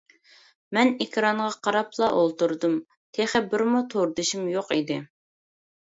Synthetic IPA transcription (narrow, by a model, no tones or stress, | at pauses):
mɛnekʲʰɾɑɴʁɑqʰɑɾɑplˠɑʔolˠt̪uɾd̪um | t̪ʰeχɛbɪɾmut̪ʰoɾd̪ɨʃimjoqid̪ɪ